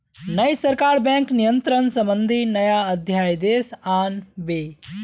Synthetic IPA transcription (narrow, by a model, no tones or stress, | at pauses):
nɐjsɐɾkaːɾbɛ̃ːŋknijənt̪ɾənsɐ̃mbənd̪ʱinɐjaɐd̪ʱjaːjd̪eːsaːnbeː